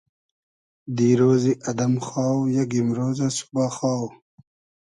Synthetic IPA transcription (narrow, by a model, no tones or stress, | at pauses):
d̪iːɾoːziʔɐd̪ɐmxaːwjaɡimɾoːzasu̥baːxaːw